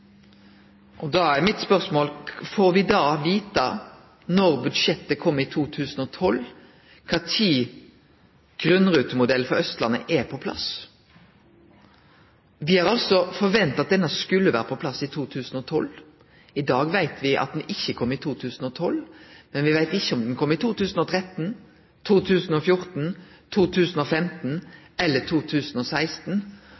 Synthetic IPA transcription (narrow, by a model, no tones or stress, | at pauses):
ʔɔd̪ɑæʁmɪt̪spœʁsmoːlfoːɾʋɪd̪ɑːʋiːt̪ɑ | nɔʁbʉd̪ʂɛt̪ːəkʰɔmːɪt̪ʰuːt̪ʰʉːsnɔt̪ʰɔl | kʰɑːt̪ʰiː | ɡ̥ʁʉnːʁʉːt̪əmʊd̪ɛlfɔɾœst̪lɑnə̰ʔɛpʰɔpʰlɑ̰s | ʋɪhɑʁɑlsɔfɔʋɛnt̪ɑt̪̚d̪ɛnɑskʉlːəʋæːɾəpʰɔpʰlɑsɪt̪ʰuːt̪ʰʉːsn̩ɔt̪ʰɔlː | ɪd̪ɑːɡʋæɪt̪ʰʋɪʔɑ̰t̪̚d̪ɛnɪçːəkʰɔmːəɪt̪ʰuːt̪ʰʉːsn̩ɔːt̪ʰɔlmɛnʋɪʋæɪt̪ɪçːəɔmd̪ɛnkʰɔmːəɪt̪ʰuːt̪ʉːsnɔːt̪ʰʁɛt̪n̩ | t̪ʰuːt̪ʰʉːsn̩ɔfjʊʁt̪n̩t̪ʰuːt̪ʰʉːsnoːfɛmt̪n̩ɛlːət̪ʰuːt̪ʰʉːsnɔːsæɪst̪n